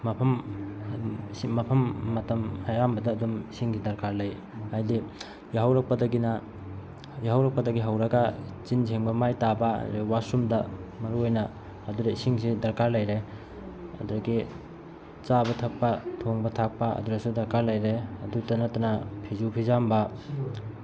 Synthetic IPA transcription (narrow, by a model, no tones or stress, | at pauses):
mɐpʰɐm | simɐpʰɐmːɐtɐmhajambɐdɐːdumisiŋsidɐɾkaɾlɐj | ajdi | jiɦawɾɐk̚pɐdɐɡinɐ | jiɦawɾɐk̚pɐdɐɡiɦɐwɾɐɡɐt͡ʃind͡ʒʰeŋbɐmajtabɐ̰ɾiwasumdɐmɐɾuojnɐː | duɾɐisiŋsidɐɾkaɾlɐjɾe | ɐ̰duɾɐɡi | t͡ʃabɐtʰɐk̚pɐtʰoŋbɐtʰak̚pɐɐ̰duɾɐsudɐɾkaɾlɐjɾeɐdutɐnɐtɐnapʰizupʰizambɐ